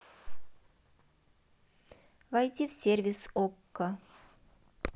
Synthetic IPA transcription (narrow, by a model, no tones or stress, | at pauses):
vajt̪ʲifsʲervʲɪsokːə